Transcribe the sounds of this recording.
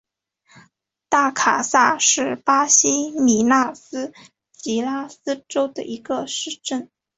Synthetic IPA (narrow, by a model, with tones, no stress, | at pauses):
t̪a˥˩kʰa˨˩sa˥˧ʂɻ̩˥˩pa˥ɕi˥mi˨˩na˥˩sɹ̩˥ | t͡ɕi˧˥la˥sɹ̩˥ʈ͡ʂo˥ʊd̪ə̰˨ʔi˧˥ɡə˧ʂɻ̩˥˩ʈ͡ʂə˥˩n